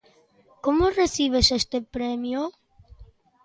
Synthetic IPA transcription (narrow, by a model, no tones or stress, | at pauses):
komoreθiβ̞esest̪epɾɛmjo